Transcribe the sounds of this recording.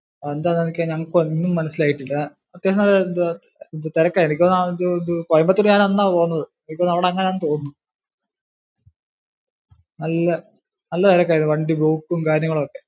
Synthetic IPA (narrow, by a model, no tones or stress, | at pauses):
oːend̪aːnːenikʲːɐɲɐŋːɐɭkoinːumːɐnɐsːilaːjiʈːilːɐa | ɐd̪jeːʂmalnd̪ɨ | d̪ɨt̪eɾɐkːaenikʲːonːanðɨnd̪ɨkojɐmbɐt̪ːuɽɨɲaːnenːaːpoːnːɐðɨenikʲːoːnːɐʋiɽeɐŋːɐneaːnːt̪o̞ːunːu | nɐlːɐ | nɐlːɐt̪eɾɐkːaːɾjnɨʋɐɳɖiboːkːumkaːɾɐɾjɐŋːɐɭumokːe̞